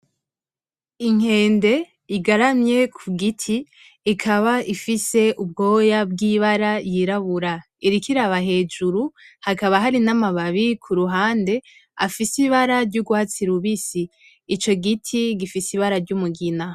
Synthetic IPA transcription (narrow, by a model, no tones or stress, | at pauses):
iŋ̥he̞ːnde̞ | iɡaɾamɲe̞kʰuɡitʰiː | kʰaβaʔifise̞ʔub̚ɡo̞ːjabɡiːβaɾajiɾaβuɾa | iɾikiɾaβaɦe̞ːd͡ʒuɾuhakaβaɦaɾinamaβaβikʰuɾuɦaːnde̞ | a̰fisiβaɾaɾɟuɡuhat͡siɾuβisiː | t͡ʃo̞ɡitʰiɡifisiβaɾaɾɟumuɡina